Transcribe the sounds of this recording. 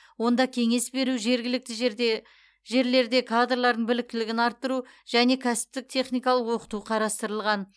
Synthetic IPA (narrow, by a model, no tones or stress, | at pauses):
wo̞nd̪ɑkʲʰe̞ŋe̞sbe̞ɾuʒeɾɡʲɪlɪk̚t̪ɪʒ | ʒe̞ɾle̞ɾd̪e̞kʰad̪rlˠɑɾd̪əɴbɪlɪk̚t̪ɪlɪɡʲɪnɑɾt̪ːəɾu | ʒ̥æne̞kʲʰæsɪ̥p̚t̪ɪk̚t̪ʰe̞χnijkɑlˠəqwo̞qə̥t̪uqʰɑɾɑst̪əɾəlˠʁɑn